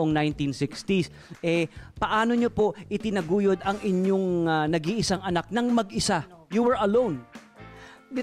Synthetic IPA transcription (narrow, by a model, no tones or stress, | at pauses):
ʔoŋnajnt̪insɪkst̪is | ʔɛpɐʔaːno̞ɲopo̞ʔʔɪt̪ɪnɐɡuːjod̪ɐŋɪɲo̞ŋanɐɡiʔɪsaŋɐnak̚nɐŋmɐɡʔɪsa | juwɛɹɐlõwn